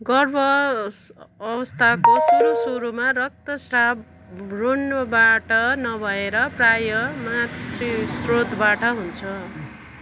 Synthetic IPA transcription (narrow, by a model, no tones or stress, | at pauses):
ɡʌrbʌ | ʌbʌst̪ʰakosuɾosuɾumarʌk̚t̪ʌsrab | runbaʈʌnʌbʱʌeɾʌprajʌmat̪risrot̪baʈʌɦunt͡sʰʌ